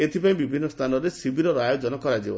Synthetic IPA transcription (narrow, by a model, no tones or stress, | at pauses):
et̪ʰipaĩbibʱinːɔst̪ʰanɔɾesibiɾɔɾɔajod͡ʒɔnɔkɔɾad͡ʒibɔ